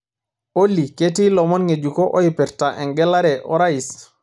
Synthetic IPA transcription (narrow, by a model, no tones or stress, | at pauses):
olːiketilɔmɔnŋed͡ʒukɔʔojipɛɾtaʔɛŋɡɛlːaɾɛʔɔ̰ɾajis